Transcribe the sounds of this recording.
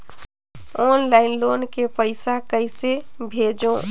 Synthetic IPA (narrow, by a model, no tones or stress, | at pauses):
ɔnlaɪnlonkepəɪsakəjsebʱed͡ʒõ